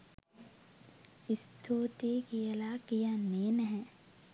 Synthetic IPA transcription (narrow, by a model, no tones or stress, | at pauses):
ɪst̪ʰoːt̪ekiɐlaːkijaneːnəɦɛ̃ː